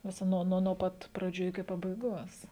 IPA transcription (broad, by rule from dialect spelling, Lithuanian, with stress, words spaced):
ʋʲɪˈsɐ ˈnuɔ nuɔ ˈpɐt prɐˈd͡ʒʲuː ɪkʲɪ pɐbɐɪˈɡoːs